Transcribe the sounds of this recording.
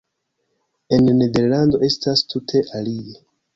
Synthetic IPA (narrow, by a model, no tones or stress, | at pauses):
e̞nne̞de̞ɾlando̞ʔe̞stastʰutʰe̞ʔalie